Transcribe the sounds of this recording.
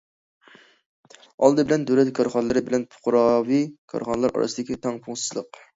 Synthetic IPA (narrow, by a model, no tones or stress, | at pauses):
ɑlˠd̪ɨbɪlɛnd̪øwlɛt̪kʰɑɾχɑnɨlˠɨɾɨbɪlɛnpʰʊ̥qʊɾɑvikʰɑ̰ɾχɑnɨlˠɑɾʔɑ̰ɾɨ̰sd̪ɪkʲit̪ʰɑŋpʰuŋsɨ̥zlˠə̰q